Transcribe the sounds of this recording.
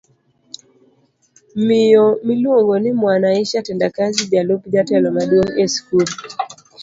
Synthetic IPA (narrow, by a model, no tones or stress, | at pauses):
mɪjɔmilwoŋɡɔnɪmwanaiʃatɛndakazid͡ʒalopd͡ʒatɛlɔmaɗwoŋeskul